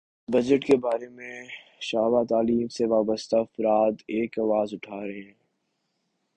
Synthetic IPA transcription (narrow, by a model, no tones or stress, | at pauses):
bɐd͡ʒəʈkebaːɾemẽʃaːʋat̪aːliːmseʋaːbəst̪aɐfɾaːt̪eːkaːʋaːzʊʈʰaːɾɐɦeɦɛ̃ː